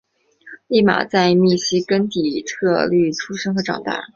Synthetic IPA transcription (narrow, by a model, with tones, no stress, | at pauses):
li˥˩ma̰˨˩t͡sa˥˧ɪmi˥˩ɕi˥kə˥nt̪i˨˩t̪ʰɤ˥˧ly˥˩t͡sʰu˥ʂɤ˥ŋxɤ˧˥ʈ͡ʂɑ̰˨˩ŋt̪a̰˥˩